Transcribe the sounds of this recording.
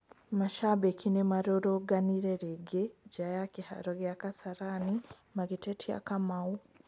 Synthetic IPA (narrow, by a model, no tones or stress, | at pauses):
maʃaβekinemaɾoɾoɡaniɾeɾeɡeɟajakiha̰ɾoɣjakasaɾani | maɡitetʰia̰kamau